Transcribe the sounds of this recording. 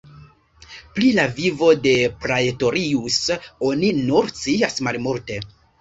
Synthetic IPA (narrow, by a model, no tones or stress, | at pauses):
plilavivo̞de̞pɾajeto̞ɾiuso̞ninuɾt͡siasmalmuɾte̞